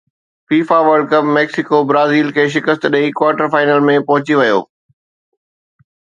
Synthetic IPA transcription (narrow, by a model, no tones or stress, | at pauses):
fiːfaʋəɾɖkɐpmɛːksɪkobɾaːziːlkʰeːʃ̬ɪkəst̪ɗɐikwaːʈəɾfaːɪnəlmẽpɐɦʊt͡ɕiʋɐjo̰ː